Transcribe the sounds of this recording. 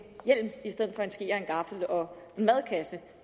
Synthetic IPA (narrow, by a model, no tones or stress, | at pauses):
jel̰misd̥eð̰̩ˠfɒ̽e̝nsɡ̥iːɐe̝nɡ̥ɑ̈fl̩ɒ̽ | enmæð̞ˠkʰæsə